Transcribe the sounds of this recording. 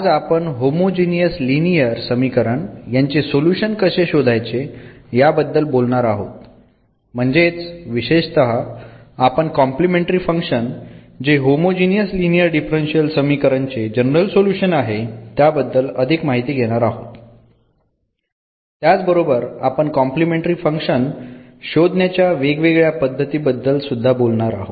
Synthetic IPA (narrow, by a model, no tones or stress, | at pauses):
ad͡zapəɳɦomod͡ʑinijəslinijəɾsəmikəɾəɳjaɲt͡sesoljuɕənkəɕeɕod̪ʱajt͡sejabəd̪ːəlbolɳaɾaɦo̰t̪ | m̤əɳd͡zet͡sʋiɕeɕt̪əɦaː | pəɳkɔ̃mplimẽɳʈɾiːfəŋkɕən | d͡ʑeɦomod͡ʑinijəslinijəɾɖifɾenɕiəlsəmikəɾənt͡sed͡ʑənəɾəlsoljuɕənaɦet̪jabəd̪ːələd̪ʱikmaɦit̪iːɡʱeɽ̃aɾaɦot̪ | t̪jat͡sbəɾobəɾapəɳkɔmplimeɳʈɾiːfəŋkʂən | ɕod̪ʱnjat͡ɕjaʋeɡʋeɡɭjapəd̪ʱːət̪iːbəd̪ʱːəlsud̪ʱːabolɳaɾa̰ɦot̪